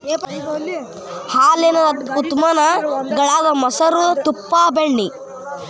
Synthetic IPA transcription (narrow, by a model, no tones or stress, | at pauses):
haːlenɐut̪mɐnɐɡɐɭaːd̪ɐmɐsɐɾut̪upːaːbeɳːi